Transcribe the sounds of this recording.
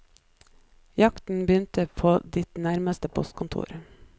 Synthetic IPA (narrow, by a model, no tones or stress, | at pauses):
jɑkt̪n̩bəjʏnt̪əpʰoːd̪ɪt̪næɾməst̪əpʰɔ̰st̪̚kʰʊnt̪ʰṵːɾ